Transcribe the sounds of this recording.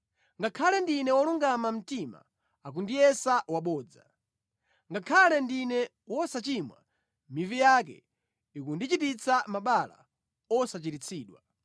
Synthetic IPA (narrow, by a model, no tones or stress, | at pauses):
ŋɡakʰalɛndinɛwɔluŋɡamam̩tima̰ | ak̬undijɛsawaɓɔːd͡za̰ | ŋɡakʰalɛndinɛ | wɔsat͡ʃimwa̰ | mivijak̬ɛ̰ | ikundit͡ʃitit͡sʰamaɓala̰ | ɔsat͡ʃiɾit͡sʰiːɗwa